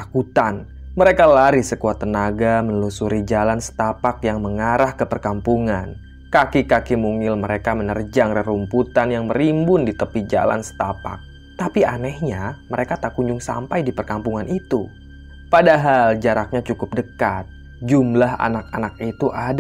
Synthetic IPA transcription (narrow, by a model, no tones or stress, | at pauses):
akut̪an | məɾekalaɾihsəkuat̪ənaɡamənlusuɾid͡ʒalansə̥t̪apak̚jaŋməŋaɾahkəpərkampuŋan | kakikakimuŋɪlməɾekamənərd͡ʒaŋrərumput̪anjaŋməɾimbʊndit̪əpid͡ʒa̰la̰nsə̥t̪apa̰k̚ | t̪apianɛhɲaməɾekat̪aʔkuɲd͡ʒʊŋsa̰mpajdipərkampuŋanʔit̪u | padaɦald͡ʒaɾak̚ɲat͡ʃukʊp̚dəkat̪̚ | d͡ʒumlaɦa̰nak̚anak̚it̪uʔad